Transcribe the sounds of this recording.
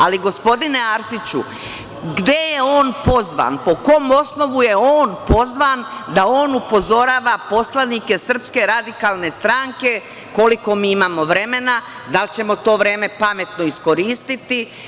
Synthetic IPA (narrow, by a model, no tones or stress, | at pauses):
aliɡo̞spo̞d̪ine̞aɾsit͡ɕṵ | ɡd̪e̞jeo̞ːnpo̞zʋa̰npo̞ko̞mo̞sno̞ʋuje̞oːnpo̞zʋand̪ao̞ːnupo̞zo̞ɾaːʋapo̞slˠanike̞sr̩pske̞ɾad̪ikalˠne̞st̪ɾaŋke̞ | ko̞liko̞miːimaːmo̞ʋɾe̞me̞na | d̪alt͡ɕe̞mo̞t̪o̞ːʋɾe̞ːme̞pame̞t̪no̞isko̞ɾiːst̪it̪i